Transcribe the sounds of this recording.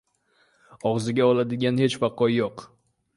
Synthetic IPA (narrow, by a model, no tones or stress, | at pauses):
ɒʁzɪɡʲaɒlˠad̪ɪɡʲanhe̞t͡ʃfaqʰɒjjoq